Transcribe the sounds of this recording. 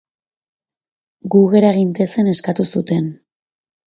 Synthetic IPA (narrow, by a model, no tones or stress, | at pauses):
ɡuɣe̞ɾaeɣ̞int̪e̞se̞ne̞skat̪usut̪e̞n